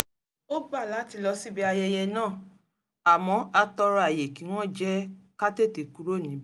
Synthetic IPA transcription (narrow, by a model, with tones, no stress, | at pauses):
o˦ɡ͡ba˦˨la˨˦ti˧lɔ˧si˦bi˦a˧jɛ˧jɛ˧nãː˦˨ | a˨mɔ̃˨˧˦a˧tɔ˧ɾɔ˧a˨je˨ki˨˦w̃ɔ̃˦d͡ʒɛ˦ka˦te˦˨te˨ku˦ɾo˦˨nĩ˨˦b